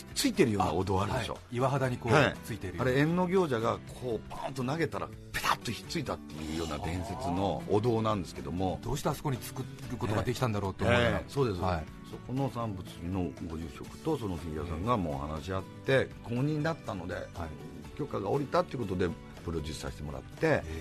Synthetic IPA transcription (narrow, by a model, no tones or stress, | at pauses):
t͡sɨit̪e̞ɾɯjo̞ːna̰od̪o̞ːaɾɯdeɕo̰iβaɦad̪aɲ̟iko̞ːat͡sɨit̪eɾɯaɾeẽnno̞ɡʲo̞ːʑaɡakʰo̞ːpʰãnt̪o̞naɡe̞t̪aɾa̰ | pe̥t̪at̪ːoçʲi̥t͡sɨit̪at̪ːe̞jɯ̟ːjo̞ːnad̪ẽ̞ɰ̃se̞t͡sɨno̞ːd̪o̞ːnãnd̪e̞sɨ̥ke̞d̪o̞mo̞d̪̥o̞ːɕi̥t̪aɾasokoɲ̟it͡sɨ̥kɯ | ɾɯko̞t̪oɡad̪ekʲi̥t̪ãnd̪aɾo̞ːt̪ːeemːso̞ːd̪e̞sɨi | so̞ko̞no̞sãmbɯ̟t͡sɨino̞ɡo̞ʑɨɕo̞kɯ̟̥t̪o̞so̞noçiijosãŋɡamo̞̰ːha̰naɕiat̪ːe̞koːɲ̟ĩɲːnat̪ːano̞d̪e̞̰ | kʲo̞kːaɡao̞ɾʲit̪at̪ːeɯ̟ko̞t̪o̞d̪e̞ | pɯ̟ɾoʑisa̰ɕi̥t̪e̞mo̞ɾa̰t̪ːe̞